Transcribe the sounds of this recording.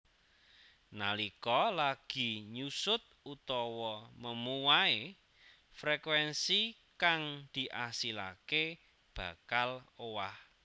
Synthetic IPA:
nalikɔlaɡ̥i̤ɲusʊt̪̚ut̪ɔwɔməmuwae | fɾekwɛnsi | kaŋd̪̥i̤ʔasila̰ke | b̥a̤kalowah

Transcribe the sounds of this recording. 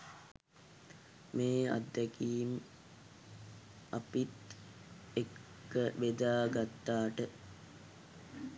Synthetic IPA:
meːa̰d̪ːɛkijim | apit̪ | ekː | əʋed̪aːɡat̪ːaːʈə

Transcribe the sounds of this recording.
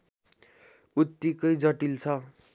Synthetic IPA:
ut̪ːikʌjd͡zʌʈilt͡sʰʌ

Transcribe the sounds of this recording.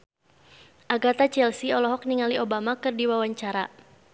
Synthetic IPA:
ʔaɡat̪at͡ʃɛlsiɔlɔɦɔk̚niŋaliobamakɨrdiwawaɲt͡ʃaɾa

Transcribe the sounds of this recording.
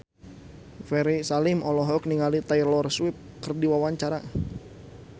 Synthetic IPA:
fɛɾisalimɔlɔɦɔk̚niŋalit̪airlɔrswip̚kɨrdiwawaɲt͡ʃaɾa

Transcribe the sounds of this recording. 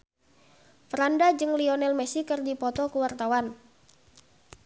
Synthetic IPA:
fɾandad͡ʒɨŋliɔnɛlmɛsikɨrdipɔt̪ɔkuwart̪awan

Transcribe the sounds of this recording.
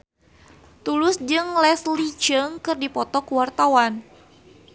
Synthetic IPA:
t̪ulʊsd͡ʒɨŋlɛslit͡ʃəŋkɨrdipɔt̪ɔkuwart̪awan

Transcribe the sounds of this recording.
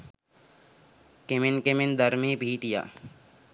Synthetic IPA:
kemɪnkemɪnd̪əɾmẽːbʱiːʈija̰ː

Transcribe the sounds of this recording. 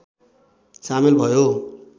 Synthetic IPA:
samilbʱʌjo

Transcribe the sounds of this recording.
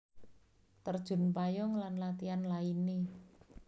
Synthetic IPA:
t̪ərd̥ʒ̥ʊ̤npajɔŋlanlat̪ianlaini

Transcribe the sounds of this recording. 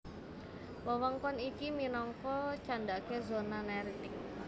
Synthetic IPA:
wəwɔŋkɔnikiminɔŋkɔt͡ʃandakezonanaɾit̪ɪk̚

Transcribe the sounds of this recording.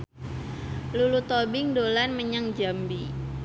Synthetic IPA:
lulut̪obɪŋdolanməɲaŋd͡ʒambi

